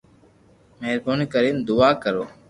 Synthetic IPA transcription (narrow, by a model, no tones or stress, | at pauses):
meːɾboːnkəɾiːnd̪ʊaːkəɾoː